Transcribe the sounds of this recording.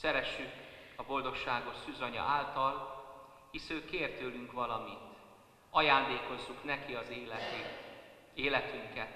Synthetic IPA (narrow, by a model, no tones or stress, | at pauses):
sɛɾɛʃːykɒbo̞ld̪o̞kʃaːɡo̞ʃsyːzɒɲɒ̰ʔaːlt̪ɒl | hisøːkeːrt̪øːlyŋkʋɒlɒmint̪ | ɒjaːnd̪eːko̞zːuknɛkiɒz | eːlɛt̪yŋkɛt̪